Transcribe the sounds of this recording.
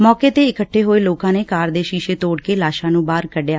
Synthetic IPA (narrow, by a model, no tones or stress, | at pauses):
mɔːkeːt̪eːɪkəʈʰːeːɦoːeːloːkãːneːkaːɾd̪eːʃiːʃeːt̪oːɽkeːlaːʃãːnũːbaːɾkəɖjaː